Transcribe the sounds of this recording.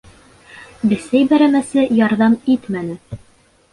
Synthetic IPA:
b̪ɘ̆sæjbæɾæmæsɘjɑɾðɑmit̪mænɘ

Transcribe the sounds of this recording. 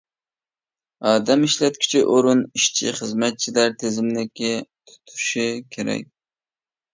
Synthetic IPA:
ɑːd̪ɛmiʃlɛt̪̚kʲʰi̥t͡ʃʰɪʔoɾʊniʃt͡ʃʰɪχəzmæt̪̚t͡ʃʰilæɾt̪ʰezɪmlɪkʲʰːɪt̪ʰʊ̥t̪ʰu̥ʃɪkʲʰeɾɛ̰k̚ʲ

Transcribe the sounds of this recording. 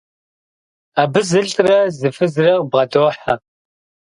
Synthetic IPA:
abɨzɨɮʰrɐzɨfɨzɨrɐqbʁɐdoːħa

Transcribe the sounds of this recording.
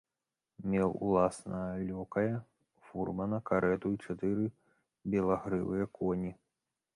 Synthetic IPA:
mʲɛwṵlˠasnɐɐlʲɔkɐjɐ | furmɐnɐkaɾɛt̪uit͡ʂat̪ɨɾɨ | bʲɛlˠaɣɾɨ̰vɨjɐkʰɔnʲi

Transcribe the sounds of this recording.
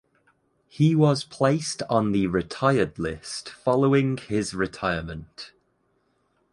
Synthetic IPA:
hiwɒz̥pʰl̥eɪstn̩ðəɹɪtʰaɪədlɪstfɒloʊɪ̃ŋɪzɹɪtʰaɪəmə̃nt

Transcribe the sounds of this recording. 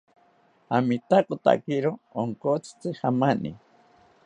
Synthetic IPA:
amit̪akʼot̪a̰kiɾooŋkot͡sʰt͡sɨhamanḭ

